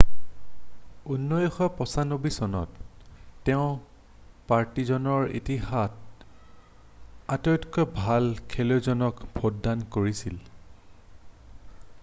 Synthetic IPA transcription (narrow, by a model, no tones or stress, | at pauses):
unːɔjɔxɔpɔsanobisɔnɔ̰tː | ɛʊ̃ | paɹtizɔnɔɹḭtiɦat̚ | atɔtkɔbʱalkʰɛlozɔnɔkb̥ʱodːankoɹisil